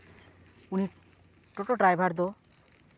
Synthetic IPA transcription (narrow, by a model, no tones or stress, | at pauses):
uni | ʈoʈoʈɾajbʱaɾd̪o